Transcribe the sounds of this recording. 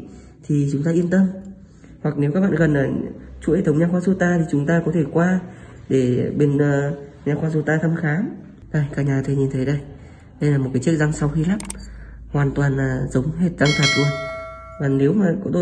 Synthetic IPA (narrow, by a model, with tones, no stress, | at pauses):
t̪ʰi˨˩t͡ɕʊ˨˦ŋ͡mt̪aː˧ʔi˧ənt̪ə˧m | hwa˨˩k̚ne˨˦ka˦˥k̚ɓa̰ː˧˨ɣə˨˩nʔaː˧˨˩t͡ɕṵ˧˥˨t̪ʰə˨˦ŋ͡mɲaː˧xwaː˧zo˧t̪aː˧t̪ʰi˨˩t͡ɕʊ˨˦ŋ͡mt̪aː˧kɔ˨˦t̪ʰe˧˩kwaː˧ | ɗe˧˩ɓe˧nəː˧ɲaː˧xwaː˧zo˧t̪aː˧t̪ʰə˧mxaː˨˦m | ɗə˧˩jkaː˧˩ɲaː˨˩t̪ʰə˧˩ɲi˨˩nt̪ʰə˨˦jɗə˧j | ɗə˧jlaː˨˩mo˨˩t̚kaː˨˦t͡ɕɨ˦˥ək̚za˧ŋsa˧wxi˧laː˦˥m̚hwaː˨˩nt̪waː˨˩nlaː˨˩zə˨˦wŋ͡mɦe˨˩t̚za˧ŋt̪ʰaː˨˩t̚zu˧˩n | vaː˨˩ne˨˦wmaː˨˩kɔ˨˧˦t̪o˧